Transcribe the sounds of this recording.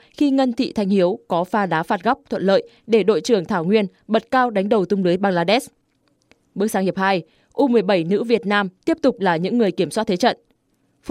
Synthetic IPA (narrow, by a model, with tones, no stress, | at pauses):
xi˧ŋə˧nt̪ʰḭ˧˨t̪ʰa˧˩jŋ̟hi˨˦əwkɔ˨˦faː˧˩ɗaː˨˦faː˨˩t̚ɣa˦˥p̚t̪ʰwə̰˧˨nlə̰ː˧˨j | ɗe˧˩ɗo̰˧˨jt͡ɕɨ˨˩əŋt̪ʰaː˧˩wŋwi˧ənɓə˨˩t̚kaː˧wɗa˨˦jŋ̟ɗə˨˩wt̪ʊ˧ŋ͡mlɨ˨˦jɓaː˧ŋlaː˧ɗɛ˦˥s | ɓɨ˦˥k̚saː˨˦ŋhi˨˩əp̚haː˧j | ʔu˧mɨ˨˩əjɓə˧˩jnɨ̰˧˥vi˨˩ət̚naː˧mt̪i˦˥əp̚t̪ʊ˨˩k͡p̚laː˨˩ɲɨ̰˧˥ŋːɨ˨˩əjki˧˩əmswaː˦˥t̚t̪ʰe˨˦t͡ɕə̰˧˨nʔ